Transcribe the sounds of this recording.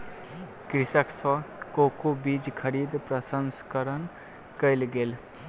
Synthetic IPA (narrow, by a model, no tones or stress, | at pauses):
kɾɪsəksɔkokubid͡ʒkʰəɾid̪pɾəsənskəɾən | kəjlɡel